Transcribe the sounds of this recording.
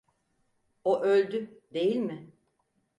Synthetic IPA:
oʔølʲd̪yd̪e̞jilʲmɪ

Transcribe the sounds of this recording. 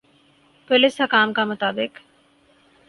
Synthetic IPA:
polishɐkaːmkɐmɐt̪ɐbek

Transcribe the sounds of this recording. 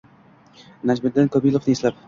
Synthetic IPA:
nad͡ʒbɪd̪ːɪnkʰɒbilˠofnɪeslap

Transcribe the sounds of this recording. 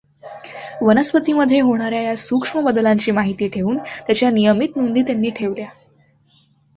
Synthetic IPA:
ʋənəspət̪iːməd̪ʱːjeɦoɽ̃aɾjajasukʂməbəd̪laɲt͡ɕiːmaɦit̪iːʈʰeʋuːnt̪jat͡ɕjanijəmit̪nund̪iːt̪janːiːʈʰeʋlja

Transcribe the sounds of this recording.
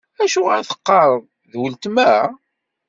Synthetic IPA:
æʃuʁaɾθə̥qːɑɾˤəðˤ | ðwəlt̪mæ

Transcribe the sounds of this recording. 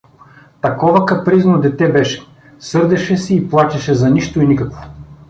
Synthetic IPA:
t̪ɐkɔvɐkɐpɾiznod̪ɛt̪ɛbɛʃɛ̥ | sɤɾd̪ɛʃɛsɛiplˠat͡ʃʲɛʃɛzɐniʃt̪oinikɐkvo̥

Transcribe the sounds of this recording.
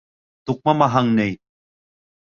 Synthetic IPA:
t̪ʊk̚mamaɦaŋnej

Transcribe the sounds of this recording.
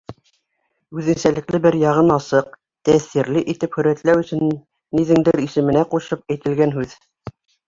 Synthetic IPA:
ʉðɘ̆nsælɘ̆klɘbɘɾjɑʁɤnɑsɤq̚ | t̪æθiɾlɘʔit̪ɘphɵ̆ɾæt̪læwɵ̆sɘ̆nː | iðɘ̆ŋd̪ɘɾisɘ̆mɘ̆næquɕɤp̚æjt̪ɘ̆lɡænɦʉð

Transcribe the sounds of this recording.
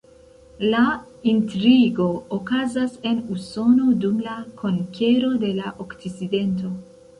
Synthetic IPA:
la | intɾiɡo̞ːkazase̞nuso̞no̞dumlakʰoŋke̞ɾo̞de̞laʔokt͡siside̞nt̬o̞

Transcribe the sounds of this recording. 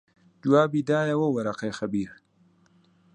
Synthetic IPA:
d͡ʒuwaːbid̪aːjawowɐɾaqejxabiɾ

